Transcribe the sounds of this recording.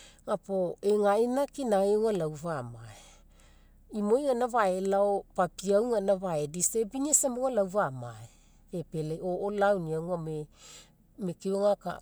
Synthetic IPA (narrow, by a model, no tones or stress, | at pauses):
ŋapoeŋainakinaeuŋalawvamae | imojŋanaβaelaopapiawŋanaβaedisebiniesamoŋalawvamae | pepeleoʔolawniawŋame | mekioŋaka̰